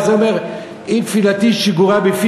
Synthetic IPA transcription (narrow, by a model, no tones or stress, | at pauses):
zɔmɛʁ | infilat̪iʃiɡuʁabefi